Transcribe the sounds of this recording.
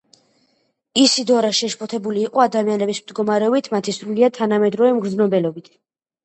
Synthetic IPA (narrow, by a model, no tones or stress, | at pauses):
isid̪ɔɾaʃɛʃpʰɔt̪ʰɛbuliːqʼɔad̪amianɛbismd̪ɡɔmaɾɛɔbit̪ʰmat̪ʰisɾuliad̪̚t̪ʰanamɛd̪ɾɔvɛmɡɾd̪znɔbɛlɔbit̪ʰ